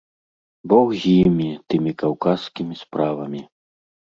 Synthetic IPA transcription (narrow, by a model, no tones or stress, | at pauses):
bɔɣɣʲimʲit̪ɨmʲikawkaskʲimʲispɾavɐmʲi